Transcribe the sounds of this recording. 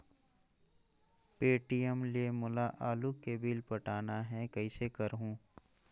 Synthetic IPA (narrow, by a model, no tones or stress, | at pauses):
peːʈijəmliemʊlaʔaːlukeːbiːlpɐʈaːnaɦɛkɐisekɐɾɦũː